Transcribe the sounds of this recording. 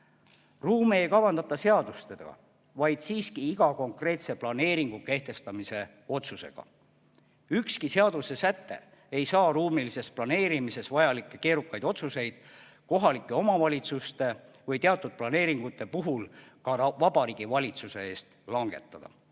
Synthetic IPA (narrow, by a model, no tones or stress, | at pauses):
ruːmeejkɑvɑnd̪ɑt̪ːˑɑse̞ɑd̪̥ust̪ed̪ɑ̰ | vɑjd̪̥siːskiiɡ̥ɑko̞ŋkre̞ːt̪se̞plɑne̞ːɾiŋɡ̥uke̞ht̪e̞st̪ɑmise̞ | o̞t̪suse̞̰ɡ̥ɑ̰ | ykskise̞ɑd̪̥use̞sæt̪ːe̞̰ | e̞jsɑːruːmilise̞splɑne̞ːɾimise̞svɑjɑlikːˑe̞ke̞ːɾukːˑɑjd̪o̞t̪suse̞jd̪̥ | ko̞ɦɑlikːˑe̞o̞mɑvɑlʲit̪sust̪e̞ | vɤjt̪eɑt̪ːˑud̪̥̚plɑne̞ːɾiŋɡ̥ut̪ːˑe̞puɦulkɑvɑbɑɾiːɡ̥ivɑlʲit̪suse̞e̞ːst̪lɑŋɡ̥e̞̰t̪ːˑɑd̪̥ɑ̰